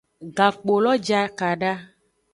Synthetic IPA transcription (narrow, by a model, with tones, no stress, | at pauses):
ɡa˨k͡po˨lɔ˦d͡ʒa˦ka˨ɖa˦